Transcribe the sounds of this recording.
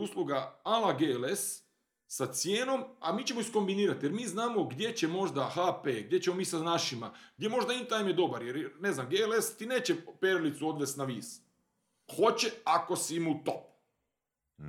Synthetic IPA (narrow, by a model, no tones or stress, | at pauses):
usluɡaalaɡeles | sat̪sjeːno̞ma̰miːt͡ɕe̞moisko̞mbiniːɾat̪je̞ɾmiːznaːmo̞ɡd̪je̞t͡ɕe̞mo̞ʒd̪axapeːɡ̚d̪ʲje̞t͡ɕemo̞miːsanaʃimaɡ̚d̪je̞mo̞ʒd̪aint̪ajimjed̪o̞baɾjeɾne̞znamɡeːelest̪ine̞ːt͡ɕepeɾlit̪suo̞d̪ʋe̞st̪naʋiːs | xo̞t͡ɕeako̞simut̪op̚